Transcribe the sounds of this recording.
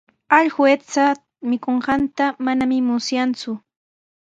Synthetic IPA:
aʎhwet͡sa | mɪkoɴɢɑnt̪amanamɪmʊsjant͡sʊ

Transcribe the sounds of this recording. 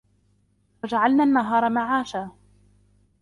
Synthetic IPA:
wad͡ʒaʕalnaːnːaɦɑːɾˤɑmaʕaːʃaː

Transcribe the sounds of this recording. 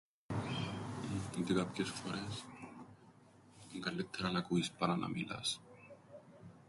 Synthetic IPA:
t̪ikap̚kesu̥faɾes | ŋkaɾlet̪ʰːeɾanakuispaɾana̰mila̰s

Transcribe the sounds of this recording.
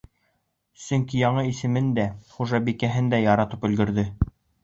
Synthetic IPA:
sɵŋkijɑɴɤisɘ̆mɘnd̪æχuʒɑbikæɦɘnd̪æjɑɾɑt̪ɤpɵ̆lɡɘ̆ɾðɘ

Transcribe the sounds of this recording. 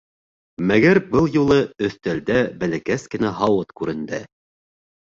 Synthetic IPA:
mæɡæɾbɤlˠjulˠɤɵ̆θt̪æld̪æbælækæskɘ̆næɦɑwɤt̪kʉɾɘ̆nd̪æ

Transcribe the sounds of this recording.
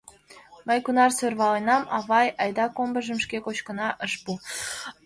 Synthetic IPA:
məjkunɑrsørβɑlenɑmɑβɑjɑjd̪ɑkombə̆ʒə̆mʃkekot͡ɕkə̆nɑʔəʃpu

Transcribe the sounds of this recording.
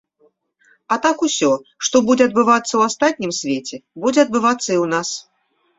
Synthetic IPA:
at̪akusʲɔʂt̪ɔbud͡zʲɛɐd̪̚bɨvat̪sːɐwast̪at̪̚ʲnʲimsʲvʲet͡sʲɛbud͡zʲɛɐd̪̚bɨvat̪sːɐiwnas

